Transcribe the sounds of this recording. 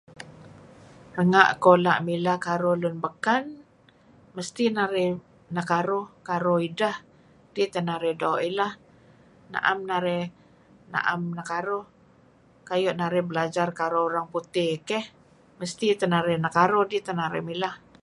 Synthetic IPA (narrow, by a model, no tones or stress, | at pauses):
rəŋaʔkolaʔmilahkaɾolʊnbəkan | məst̪inaɾɪh | nakaɾokaɾoidah | d̥it̪ənaɾɪhdaoʔilah | na̰ʔamnaɾɛ | na̰ʔamnakaɾo | kajoʔnaɾɪhbəlad͡ʒarkaɾoːɾaŋput̪ɪhkɛh | məst̪it̪ənaɾɪhnakaɾohdit̪ənaɾɪhmilah